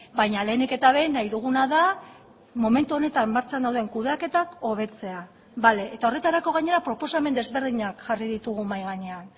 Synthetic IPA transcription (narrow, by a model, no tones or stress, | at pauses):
bajɲale̞ːneke̞t̪aβ̞e̞najðuɣ̞unaða | mo̞me̞nt̪uo̞ne̞t̪anmaɾt͡ʃand̪awðe̞ŋkuðeake̞t̪ako̞β̞e̞t͡se̞a | bale̞ʔet̪ao̞re̞t̪aɾako̞ɣ̞aɲe̞ɾapɾo̞po̞same̞nd̪e̞zβe̞ɾðiɲakʝariðit̪uɣumajɣaɲe̞an